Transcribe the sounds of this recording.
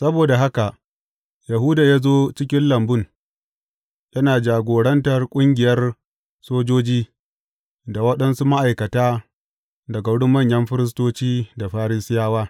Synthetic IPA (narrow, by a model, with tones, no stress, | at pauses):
sɐ˦boː˨da˨ɦa˦ka˨ | ja˨ɦʊ˦daː˨jaː˦zoː˦t͡ʃɪ˦k̬ʲɪ˦nlɐ˨mbʊ˦˨n | jɐ˦naː˨d͡ʒaː˨ɡʷoː˨ɽɐ˦ntɐ˨rkʷʼʊ˦ŋɡʲɪ˨jɐ˦r | soː˦d͡ʒoː˦d͡ʒiː˦ | da˨wɐ˦ɗɐ˦nsu˦ma˦ʔa˨jkɐ˨taː˦ | dɐ˨ɡa˨ɽʊ˦mːɐ˦˨ɲjɐ˦mɸɪ˦ɾɪ˦s̬toː˦t͡ʃiː˦da˨ɸaː˦ɾɪ˦sɪ˦jaː˦waː˦